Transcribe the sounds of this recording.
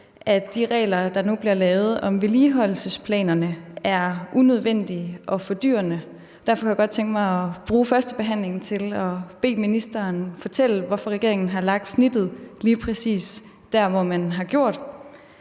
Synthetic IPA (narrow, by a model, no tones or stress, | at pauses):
ʔæd̥iʁɛ̰ːlɐd̥ɑ̈nub̥liɐlɛːʊð̞̩ˠɒ̽mʋeliːɦɒ̽l̰lsəspʰlɛ̰ːnɐnəæɐʔunøð̞ˠʋen̰d̥iʔɒ̽fɒ̽d̥y̰ːɐnə | d̥æɐfɒkʰujaɡɒ̽d̥̚t͡sʰeŋɡ̥mɑ̈ɪɒb̥ʁuːfɶɐsd̥əb̥e̝ɦæn̰le̝ŋn̩t͡sʰe̝lɒ̽b̥e̝̰ːminisd̥ɐːnfɒ̽t͡sʰel̰ʋɒfɒ̽ʁɛɡ̥e̝ɐeŋn̩ɦɑ̈lɑ̈ɡ̥̚d̥snid̥ð̞̩ˠliːpʰʁɛsḭːs | d̥æɐʋɒmænɦɑ̈ɡ̥jo̝ɐ̰d̥